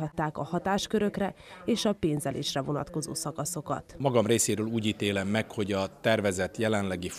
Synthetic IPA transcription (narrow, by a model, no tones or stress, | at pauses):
ɦɒt̪ːaːkɒhɒt̪aːʃkøɾø̞krɛeːʃɒpeːnzɛlḛːʃrɛvo̞nɒ̰t̪ko̞zo̰ːsɒkɒso̞kɒ̰t̪mɒɡɒmreːseːɾøːluːɟit̪eːlɛmːɛkho̞ɟɒt̪ɛrvɛzɛt̪jɛlɛnlɛɡif